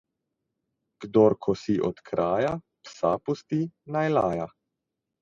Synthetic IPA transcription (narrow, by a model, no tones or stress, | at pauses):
ɡ̥d̪ɔɾkʰɔsiʔɔt̪kɾʔaːja | psa̰pɔst̪inajlaːja